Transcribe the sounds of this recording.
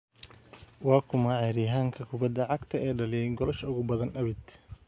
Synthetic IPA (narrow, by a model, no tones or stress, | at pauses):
wɑːkʰʊmɐʕɛːɾɪɦaːŋkʰɐkʰʊbɐd̪ːɐʕɑɡt̪ʰɐɛːɖɐlɪjɛjŋɡɔlɐʃʊɣʊbɐðɐnʔɐβɪd̪